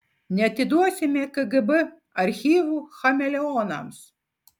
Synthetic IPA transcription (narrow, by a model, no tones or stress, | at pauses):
nʲɛɐt̪ʲɪd̪uɔsʲɪmʲɛkɨɡɨbɨ | ɐɾʲxʲiːʋuːxɐmʲɛlʲɛɔːnɐ̰ms